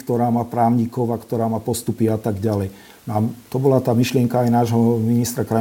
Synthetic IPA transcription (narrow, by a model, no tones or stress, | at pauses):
kt̪ɔɾaːmaːpɾaːʊɲikɔʋakt̪ɔɾaːmaːpɔst̪upiat̪aɡɟalɛj | naːmt̪ɔbɔlat̪aːmiʃlɪɛŋkaajnaːʒɦɔminist̪ɾakɾa